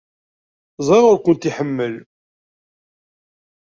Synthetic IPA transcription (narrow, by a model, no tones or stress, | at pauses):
zˤɑʁʊɾkʷənt̪iħəmːəl